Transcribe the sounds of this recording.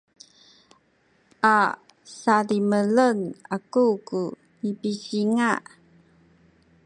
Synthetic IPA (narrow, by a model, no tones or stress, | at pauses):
ʔa | saɾimələnakuku | nipisiŋaʔ